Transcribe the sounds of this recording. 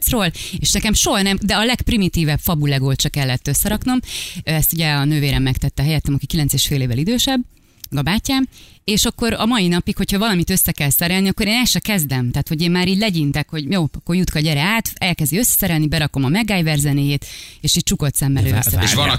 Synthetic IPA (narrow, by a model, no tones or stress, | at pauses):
sroːleːʃnɛkɛmʃo̞ɦɒnɛmd̪ɛɒlɛkprimit̪iːvɛpfɒbulɛɡolt͡ʃɒkɛlːɛt̪ːø̞sːɛɾɒkno̞mɛst̪uɟɛɒnøːveːɾɛmːɛkt̪ɛt̪ːɛɦɛjɛt̪ːɛmɒkikilɛnseːʃfeːleːvːɛlid̪øːʃɛbː | mɛɡɒbaːcːaːmeːʃɒkːo̞ɾɒmɒinɒpikho̞chɒvɒlɒmit̪ø̞sːɛkɛlsɛɾɛlniɒkːo̞ɾeːnɛlʃɛkɛzd̪ɛmt̪aːt̪ho̞ɟeːmmaːɾiːɟʲlɛɟint̪ɛkho̞ɟjoːɒkːo̞rjut̪kɒɟɛɾɛaːt̪ɛlkɛzd̪iø̞sːɛ̥sɛɾɛlnibɛɾɒko̞mɒmɛɡːaːjvɛrzɛneːjeːt̪eːʃiːc̚t͡ʃuko̞t̪sɛmːɛløːissɛ̰